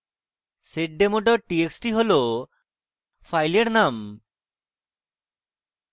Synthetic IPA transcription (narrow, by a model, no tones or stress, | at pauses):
seʈ̚ɖemoʈɔʈieksʈiɦolo | fajleɾnam